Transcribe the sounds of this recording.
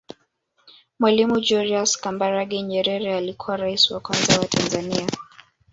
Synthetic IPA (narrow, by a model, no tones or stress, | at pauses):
mwalimud͡ʒuɾiaskambaɾaɠiɲɛɾɛɾɛalikʰuwaɾaisiwakwanzawatʰanzania